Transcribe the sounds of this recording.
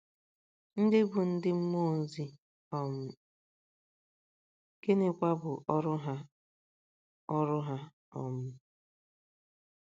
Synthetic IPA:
n̩˦dɪ˦bʊ˨n̩˦dɪ˦m̩˦mo˦˨n̩˨˦zi˦ | ɔ˨mʊ˦ | ke˦ne˦kʷa˦bʊ˨ʔɔ˦ɾʊ˦ɦa˦ | ɔ˦ɾʊ˦ɦa˦ | ɔ˨mʊ˦

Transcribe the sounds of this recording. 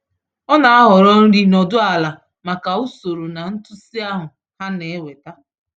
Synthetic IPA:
ɔ˦na˨a˦ɦɔ˨ɾɔ˦n̩˦ɾi˨nɔ˨dʊ˦a˨la˨ | ma˨ka˨u˦so˨ɾo˨na˨n̩˦tʊ˦si˦a˦ɦʊ˨ | ha˦ne˨e˦we˨ta˦

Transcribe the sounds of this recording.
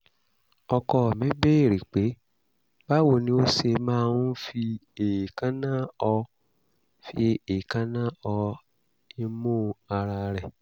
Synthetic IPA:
ɔ˧kɔ˧˨mɛ̃˨˦be˦e˦˨ɾi˨k͡pe˨˦ | ba˦wo˧˨nĩ˦o˦se˧mãː˦˧nũ˦fi˧e˨kã˦nã˦ɔ˧ | fi˧˦e˨kã˦nã˦ɔ˧ | e˦mõ˦˧a˧ɾa˧ɾɛ˨

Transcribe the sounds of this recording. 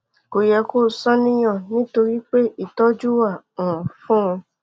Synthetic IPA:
ko˨jɛ˧ko˦˨sɔ̃˦nĩ˦j̃ɔ̃˦˨nĩ˨˦to˧ɾi˦k͡pe˦i˦˨tɔ˦d͡ʒu˦wa˦˨ũ˨ɔ̃˨fũ˦ũ˧

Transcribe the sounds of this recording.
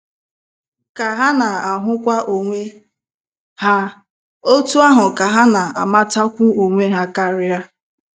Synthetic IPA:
ka˨ɦa˦na˨a˨ɦʊ˦kʷa˦ʔo˨ŋʷe˦ | ha˦ | o˦tu˦a˦ɦʊ˨ka˨ɦa˦na˨a̰˨ma˦ta˦kʷu˦o˨ŋʷe˦ɦa˦ka˦ɾɪ˦a˦

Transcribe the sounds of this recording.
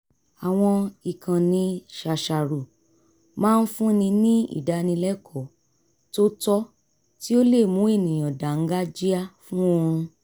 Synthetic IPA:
a˨w̃ɔ̃˧i˨kʰã˨nĩ˨˦ʃa˨ʃa˨ɾu˨ | mãː˦˧n̩˦fũ˦nĩ˧nĩ˦ḭ˦˨da˧nĩ˧lɛ˦kʰɔ˨ | to˦tɔ˦ | ti˦o˦le˦˨mũ˨˦e˦˨nĩ˨j̃ɔ̃˨da˨ŋ̩˦ɡa˦d͡ʒi˦a˦˨fũ˦o˧ɾ̃ũ˧

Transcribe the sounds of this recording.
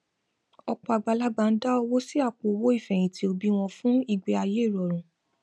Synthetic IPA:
ɔ˧k͡pɔ˧a˧˨ɡ͡ba˧la˦ɡ͡ba˧n̩˦da˦ɔ˧wo˦si˦a˦˨k͡po˨wo˦i˦˨fɛ˨j̃ĩ˨tʰi˨˧o˧bi˦w̃ɔ̃˧fũ˦i˦˨ɡ͡be˧˦a˧je˦˨ɾɔ˨ɾ̃ũ˨

